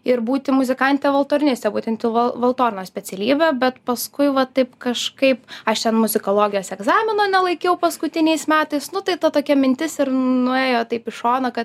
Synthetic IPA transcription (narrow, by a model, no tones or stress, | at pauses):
ɪɾbuːt̪ʲɪmʊzʲɪkɐnʲt̪ʲeːʋɐlˠt̪oːɾʲnʲɪsʲt̪ʲɛbuːt̪ʲɛnt̪ʲɪʋɐʋɐlˠt̪oːɾʲnoːsʲpʲɛt͡s̪ʲɛlʲiːbʲɛbʲɛt̪pɐskʊɪʋɐt̪ɐɪpkɐʃkɐɪpɐʃt̪ʲɛnmʊzʲɪkoːlˠoːɡʲɪjoːsɛɡzɑːmʲɪnoːnʲɛlˠɐɪkʲɛʊpɐskʊt̪ʲɪnʲɛɪsmʲæːt̪ɐɪsnʊt̪ɐɪt̪ɐt̪oːkʲɛmʲɪnʲt̪ʲɪsɪɾnʊeːjoːt̪ɐɪpɪʃoːnɐkɐt̪